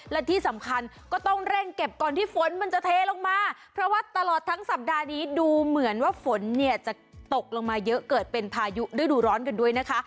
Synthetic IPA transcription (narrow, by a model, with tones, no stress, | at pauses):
lɛ˦˥t̪ʰiː˥˩sa˩˦mkʰa˧nkɔː˥˩t̪ɔ˥˩ŋɾɛ˥˩ŋke˨˩p̚kɔː˨˩nt̪ʰiː˥˩fo˨˦nma˧nt͡ɕa˨t̪ʰeː˧lo˧ŋmaː˧pʰɾɔ˦˥waː˥˩t̪a˧lɔː˨˩t̪ʰːa˦˥ŋsa˨˩p̚daː˧niː˦˥duː˧mɯ˩˦ənwaː˥˩fo˩˦nːi˥˩ɐt͡ɕa˨˩t̪o˨˩k̚lo˧ŋmaː˧jɤ˦˥ʔkɤː˨˩t̪̚pe˧npʰaː˧ju˦˥duː˥˩jduː˧ɾɔː˦˥nka˧ndu˥˩əjna˦˥kʰa˦˥